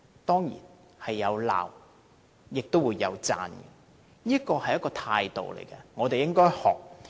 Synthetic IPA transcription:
t̪ɔː˥ŋjḭː˨˩n | hɐ˨jːɐ˨˧wla̰ː˨˩w | jɪ˨k̚t̪o˥wuː˨˧jːɐ̰˨˧wt͡sa̰ː˧n˨ | niː˥kɔː˧hɐ˨˩jɐ˥kɔː˧t̪ʰaː˧jt̪o̰˨wlḛ˨˩jkɐ˧ŋɔː˨˧t̪e˨jɪ˥ŋkɔː˥jhɔ̰ː˨˩k̚

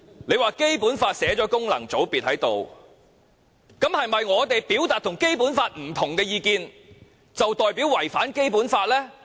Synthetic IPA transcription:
le˨˧jwaː˨˧ke˥jpuː˨˥nfaː˧t̚sɛː˨˥t͡ʃɔː˨˥kʊ˥ŋlɐ̰˨˩ŋt͡so˨˥wpiː˨t̚hɐ˨˥jt̪o˨w | kɐ˨˥mhɐ˨jmɐ˨jŋɔː˨˧t̪e˨jpiː˨˥wt̪aː˨t̚t̪ʰʊ˨˩ŋke˥jpuː˨˥nfaː˧t̚m̩˨˩t̪ʰʊ˨˩ŋkɛː˧jiː˨˧kiː˨˧n | t͡sɐ˨wt̪ɔː˨jpiː˨˥wːɐ˨˩jfaː˨˥nke˥jpuː˨˥nfaː˧t̚lɛː˥

